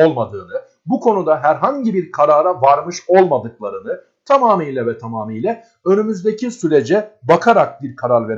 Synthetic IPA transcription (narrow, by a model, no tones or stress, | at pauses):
olˠmad̪ɯːnɯ | bukʰo̞nud̪aɦæɾɦaɲɟibiɾkʰaɾaːɾavaɾmɯʃo̞lˠmad̪ɯklˠaɾɯnɯ | t̪ʰamaːmijlʲɛvɛt̪ʰamaːmijlʲɛ | ø̞nymyzd̪e̞cʰisyɾe̞d͡ʒɛbakʰaɾak̚biɾkʰaɾaɾve̞ɾ